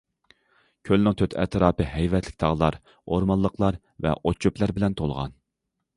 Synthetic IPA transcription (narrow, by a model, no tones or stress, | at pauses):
kʲʰølnɪŋt̪ʰøt̪ʰɛ̰t̪ʰɾɑːpɨɦɛjvɛt̪ʰlɪk̚ʲt̪ʰɑʁlˠɑɾ | oɾmɑlˠːəqʰlˠɑɾ | vɛ̰ʔot͡ʃʰoplæɾbɪlɛnt̪ʰolˠʁɑ̰n